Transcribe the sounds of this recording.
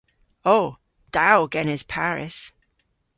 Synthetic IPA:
oʊ | d̥aʊɡɛnɪz̥pʰaɹɪ̰s

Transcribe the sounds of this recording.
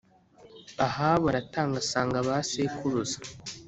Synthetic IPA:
ahaːβaɾataːŋɡasaːŋɡaβaseːkuɾuzḁ

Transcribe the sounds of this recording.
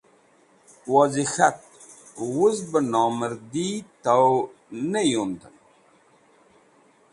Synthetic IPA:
wɔzixat̪̚ | wusbənɑːməɾd̪it̪aw | nəjond̪ən

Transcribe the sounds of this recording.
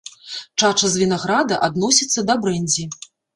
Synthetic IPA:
t͡ʂat͡ʂɐzvʲinaɣɾad̪ɐʔad̪nɔsʲit̪sːɐd̪ɐbɾɛnʲzʲi

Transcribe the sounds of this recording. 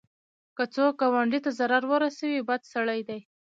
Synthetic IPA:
kət͡sok̚ɡɑwaɳɖit̪azaɾaɾwəɾasawibad̪saɽajd̪aj

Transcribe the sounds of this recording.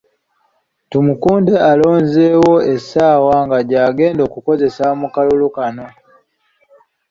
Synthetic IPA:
tumukuːndealo̞ːɲzewo̞e̞saːwaŋɡaɟaːɡe̞ːndo̞ːkuko̞ze̞samukalulukano̞

